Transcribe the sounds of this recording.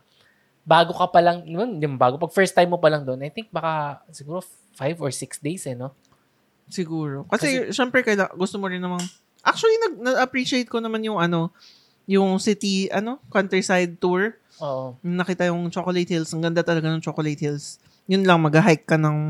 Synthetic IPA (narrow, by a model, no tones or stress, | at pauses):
baːɡokɐpɐlɐŋnɪmand̪ɪmabaːɡopɐɡ̚fɛɹst̪ajmːopɐlɐŋd̪oʔonɐjt̪ɪŋk̚bɐkasɪɡuːɾo | fajvɔɹsɪksd̪ejsɛno | sɪɡuːɾo̞kɐsɛʃɛmpɹɛkɐjlaɡʊst̪omoɾɪnːɐman | ʔak̚t͡ʃʊɐlinɐɡ̚nɐɡɐpɹiʃɪejt̪̚konɐmanjʊŋʔɐno̞ | jʊŋsɪt̪iʔɐno̞kɐnt̪ɛisajd̪̚t̪uɹ | ʔoːʔonɐnɐkiːt̪ɐjʊŋt͡ʃokolejt̪̚hilsɐŋɡɐnd̪at̪ɐlɐɡanʊŋt͡ʃokolet̪hils | jʊnlɐŋmɐɡɐɦajkːɐnɐŋ